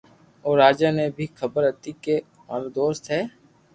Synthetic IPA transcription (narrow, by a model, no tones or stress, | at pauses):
oːɾaːd͡ʒaːnebʱiːxʰəbəɾət̪iːke | maːɾd̪oːst̪ɦɛː